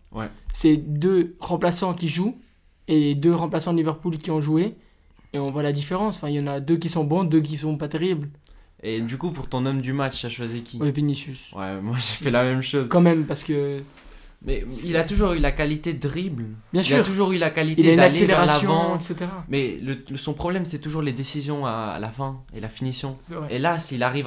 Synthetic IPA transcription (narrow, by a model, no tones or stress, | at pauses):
wɛ̰sɛd̪øʁɑ̃plasɑ̃kʲiʒu | eled̪øʁɑ̃plasɑ̃livœʁpulkʲiɔ̃ʒue | eɔ̃vwalad̪ifeʁɑ̃sɑ̃fɛ̃iljɑ̃nad̪øk̬ʲisɔ̃bɔ̃d̪øk̬ʲisɔ̃pat̪eʁibl | ed̪ykupuʁt̪ɔ̃nɔmd̪ymat͡ʃt̪yaʃwazikʲiwɛvinisyswɛ̰mwaʒefɛlamɛmʃozkɑ̃mɛmpaʁsə̥kə | mɛilat̪uʒuʁylakalit̪ed̪ʁiblbjɛ̃silyʁt̪uʒuʁylakalitileaynalesevleɛʁalasjvɑ̃ɛt̪set̪eʁamɛlələsɔ̃pχɔblɛmsɛt̪uʒuʁled̪esizjɔ̃a̰ːlafɛ̃ḛlafinisjɔ̃ɛɛelasilaʁiv